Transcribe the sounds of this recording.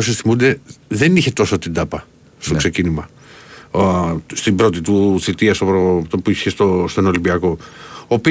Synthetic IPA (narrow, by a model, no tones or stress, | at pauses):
osisθimund̪e̞ðe̞niçe̞t̪o̞sot̪id̪ɐpɐ | st̪okse̞cinimɐ | st̪ibɾo̞t̪it̪uθit̪iɐst̪opɾot̪opuiçest̪ost̪onolimbiɐko̞oːpi